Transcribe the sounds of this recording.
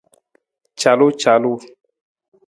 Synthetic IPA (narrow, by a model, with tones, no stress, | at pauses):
t͡ʃa˨lo˦t͡ʃa˨lu˦